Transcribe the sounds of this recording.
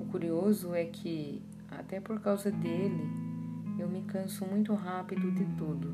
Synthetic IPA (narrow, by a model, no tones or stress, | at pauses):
ʊkuɾiozʊɛkʰɪ | a̰t̪ɛpoɾkawzɐd̪elɪ | ewmɪkɐ̃sʊmũj̃t̪ʊɦapid̪ʊd̪ɪt̪ud̪ʊ